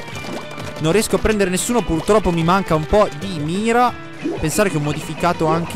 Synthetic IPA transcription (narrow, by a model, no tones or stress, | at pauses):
nõnrːiɛskoapːɾɛnd̪eɾenesːuːnopurt̪ɾɔpːomimaŋkaumpɔd̪imiːɾa | pensaːɾekeɔmːod̪ifikaːt̪oaŋk̟e